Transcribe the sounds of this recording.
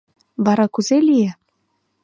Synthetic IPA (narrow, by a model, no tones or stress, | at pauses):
βɑɾɑkuzelʲije